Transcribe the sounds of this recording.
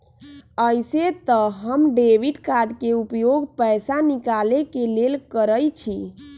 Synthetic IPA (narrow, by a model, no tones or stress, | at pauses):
əjset̪əɦəmɖeʋiɖkad̪keupjoɡpəjsanikalekelelkəɾəjt͡ʃʰi